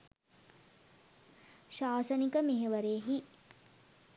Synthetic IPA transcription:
ʃaːsənikəmeɦeʋəɾeːɦi

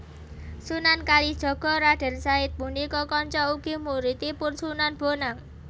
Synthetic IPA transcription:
sunankalid̥ʒ̥ɔ̤ɡ̥ɔ̤ɾaɖ̥ɛ̤rsaɪt̪̚punikɔkɔɲt͡ʃɔuɡ̥i̤muɾit̪ipʊnsunanb̥onaŋ

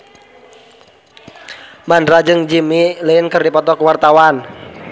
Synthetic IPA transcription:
mandɾad͡ʒɨŋd͡ʒimilinkərdipɔt̪ɔkwart̪awan

